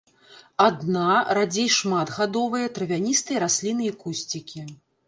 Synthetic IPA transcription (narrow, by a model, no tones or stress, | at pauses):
ad̪naɾad͡zʲejʂmat̪ɣad̪ɔvɨjɐt̪ɾɨvʲanʲist̪ɨjɐɾasʲlʲinɨjɐkusʲt͡sʲikʲi